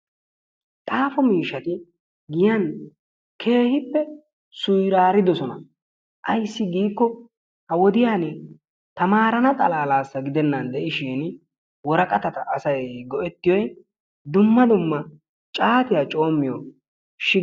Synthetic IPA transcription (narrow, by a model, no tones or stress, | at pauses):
t̪ʼaːfɔmiːʃːɐt̪ɪ | ɡɪjɐn | kʰe̞ːhɪpːɛ | sʊjɾaːɾɪd̪ɔsɔnɐ | ʔɐjsːɪɡiːkːɔ | hɐwɔd̪ɪjaːnɛ | t̪ɐmaːɾɐnɐt̪ʼɐlaːlaːsːɐɡɪd̪ɛnːɐnd̪ɛʔɪʃiːn | wɔɾɐkʼɐt̪ɐt̪ɐʔːsɐjɡɔʔɛt̪ːɪjɔj | d̪ʊmːɐd̪ʊmːɐ | t͡ʃʼaːt̪ɪjat͡ʃʼo̞ːmːɪjɔ | ʃɪ